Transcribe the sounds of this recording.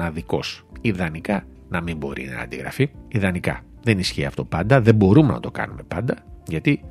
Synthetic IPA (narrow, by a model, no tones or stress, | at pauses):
ɐðiko̞̰siðɐnikɐ | nɐmimbo̞ɾḭnɐ̰ːnd̪iɣɾɐ̰fiiðɐnikɐ̰ | ðe̞nisçiɐft̪o̞pɐnd̪ɐðe̞mbo̞ɾumenɐ̰t̪o̞kɐ̰nume̞pɐnd̪ɐʝɐt̪i